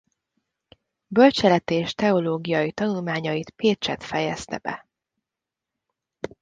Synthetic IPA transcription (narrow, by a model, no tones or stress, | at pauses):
bølt͡ʃɛlɛt̪eːʃt̪ɛo̞loːɡijɒjit̪ɒnulmaːɲɒjit̪peːt͡ʃɛt̪fɛjɛst̪ɛ̰b̥ɛ̰